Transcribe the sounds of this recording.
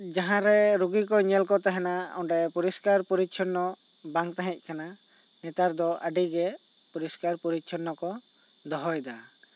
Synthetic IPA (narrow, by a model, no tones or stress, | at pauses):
d͡ʒaɦãɾɛɾuɡik̬ɔɲɛlkɔt̪aɦɛnaɔɳɖɛpuɾiskaɾpuɾit̪̚t͡ʃʰɔnːɔ | baŋt̪aɦɛ̃c̚ˀkana | nɛt̪aɾd̪ɔʔəɖiɡɛ | puɾiskaɾpuɾit̪̚t͡ʃʰɔnːɔkɔ | d̪ɔɦɔjd̪a